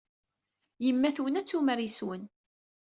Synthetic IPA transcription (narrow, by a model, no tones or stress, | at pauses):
jəmːæθwənæt͡sːuməɾjəswən